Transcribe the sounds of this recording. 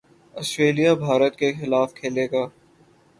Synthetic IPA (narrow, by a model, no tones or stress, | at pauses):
ɔsʈɾeːlijabʱaːɾət̪kexɪlaːfkʰeːleːɡaː